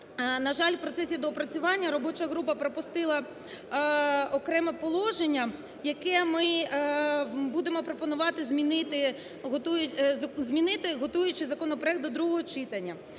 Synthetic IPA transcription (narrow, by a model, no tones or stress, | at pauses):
nɐʒɑlʲwpɾɔt̪sɛsʲid̪ɔpɾɐt͡sʲʊʋɑnʲːɐɾɔbɔt͡ʃɐɦɾupɐpɾɔpʊst̪ɪlˠɐ | ɔkɾɛmɛpɔlˠɔʒenʲːɐ | jɐkɛmɪ | bud̪emɔpɾɔpɔnʊʋɑt̪ɪzʲmʲinɪt̪ɪ | ɦɔt̪ujʊzʲmʲinɪt̪ɪɦɔt̪ujʊt͡ʃɪzɐkɔnɔpɾɔɛkt̪d̪ɔd̪ɾuɦɔɦɔt͡ʃɪt̪ɐnʲːɐ